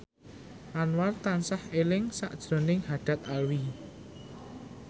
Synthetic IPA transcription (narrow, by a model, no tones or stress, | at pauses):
ʔanwart̪ansahelɪŋsa̰ʔd̥ʒ̥ɾɔ̤nɪŋhaɖ̥a̤t̪̚alwi